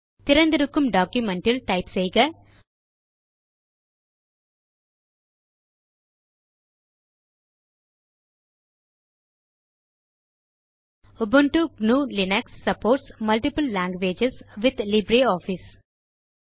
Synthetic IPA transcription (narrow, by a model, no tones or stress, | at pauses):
t̪ɪɾɐnd̪iɾukːumɖɔːkjumɛɳʈɐlʈɐɪpsejɡɐ | ubɐɳʈuɡnuːlinɛksːɐpoːɾʈsmɐlʈipəlːãːŋɡʋeːd͡ʒesʋɪd̪libɾeːɔːfis